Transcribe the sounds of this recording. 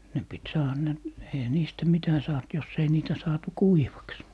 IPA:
ne pit sɑːhɑ ne eihæ niːstæ mitæ sɑːt jos ei niːtæ sɑːtu kuiʋɑks

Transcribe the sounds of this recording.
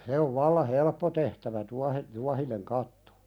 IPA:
se oʋ ʋɑlːɑ helpːo tehtæʋæ tuɑhe tuɑhineŋ kɑtːo̥

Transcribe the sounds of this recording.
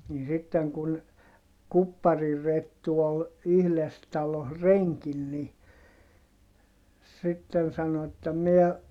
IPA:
niː sitːeŋ kun kupːɑriretːu ol yhles tɑloh reŋkin ni sitːen sɑno etːæ miɛ

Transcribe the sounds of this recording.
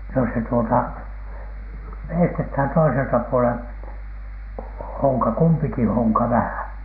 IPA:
no se tuotɑ ʋeistethæn toiseltɑ puolen hoŋkɑ kumpiki hoŋkɑ ʋæhæˑn̥

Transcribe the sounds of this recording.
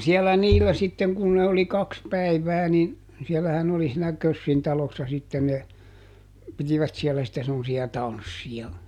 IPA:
siɛlːæ niːlːæ sitːen kun ne oli kɑks pæiʋæː nin sielːæhæn oli siːnæ køsːin tɑlosːɑ sitːen ne pitiʋæt sielːæ sĭtːe semːosiɑ tɑnsːij̆ɑ

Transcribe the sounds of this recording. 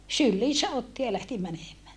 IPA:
sylːiːsæ otːi jɑ læhti mænemæː

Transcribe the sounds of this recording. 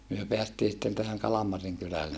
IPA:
myø peæstiː sĭtːen tæhæŋ kɑlɑmɑriŋ kylælːen

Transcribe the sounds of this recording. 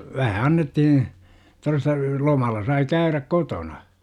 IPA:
ʋæhæ ɑnːetːihĩː torestɑ lomɑlːɑ sɑi kæyræk kotonɑ

